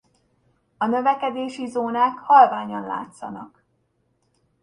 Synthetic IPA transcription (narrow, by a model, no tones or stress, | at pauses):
ɒnø̞vɛkɛd̪eːʃizoːnaːkhɒlvaːɲɒnla̰ːt̪sɒ̰nɒk